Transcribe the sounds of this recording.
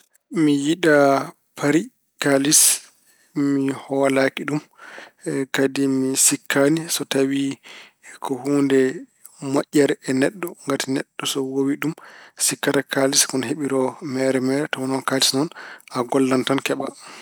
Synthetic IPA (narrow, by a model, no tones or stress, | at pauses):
mijiɗa | pʰaɾi | kalis | mihɔwalakiɗum | kadimisikʰːanisɔtawi | kʰɔhuːndɛ | maʔʲːɛɾɛɛnɛɗːɔŋɡatinɛɗːɔsɔwowiɗumsikːatakaliskɔnɦeɓiɾɔmɛɾɛmɛɾɛtɔwɔnɔnkalisnɔnaɡɔlːantankɛɓa